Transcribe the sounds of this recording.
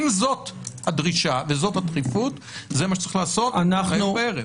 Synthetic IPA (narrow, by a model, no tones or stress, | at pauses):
mzothad̪ʁiʃavezo̞t̪hat̪ʁifut̪ | zemaʃe̥t͡sʁiχlaːso̞tanaaupeʁe